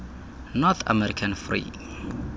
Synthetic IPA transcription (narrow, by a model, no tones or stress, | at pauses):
nɔt̪ʰa̰mɛɾikʰãnfrḭ